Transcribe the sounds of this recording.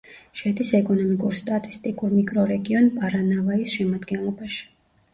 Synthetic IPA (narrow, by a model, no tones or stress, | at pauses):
ʃɛd̪isɛkʼɔnɔmikʼuɾst̪ʼat̪ʼi̥st̪ʼikʼuɾmikʼɾɔɾɛɡiɔnpʼaɾanavaisʃɛmad̪ɡɛnlˠɔbaʃi̥